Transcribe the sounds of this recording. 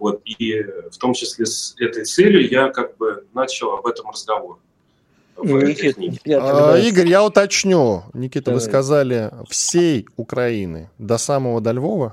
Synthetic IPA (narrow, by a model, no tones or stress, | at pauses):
vo̞t̪̚ift̪o̞mt͡ɕɪsʲlʲesɛt̪əjt̪sɛlʲjʊjakaɡ̚bɨnat͡ɕɪlˠɐbɛt̪əmrəzɡɐvo̞r | vɛtknʲiɡʲiɡəɾʲjaʊt̪ɐt͡ɕnʲunʲɪkʲit̪əvɨskɐzalʲɪfsʲejʊkɾɐinɨ̰d̪ɐsaməvəd̪ɐlʲvo̞və